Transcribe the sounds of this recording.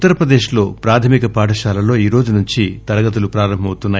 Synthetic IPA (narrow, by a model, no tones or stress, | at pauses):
t̪ːɐɾɐpɾɐd̪e̞ːʃlo̞ːpɾaːt̪ʰɐmikɐpaːʈɐʃaːlɐlo̞ːiːɾo̞ːd͡ʒunuɲt͡ʃit̪ɐɾɐɡɐt̪̬ulupɾaːɾɐmbʱɐmɐwt̪unːaː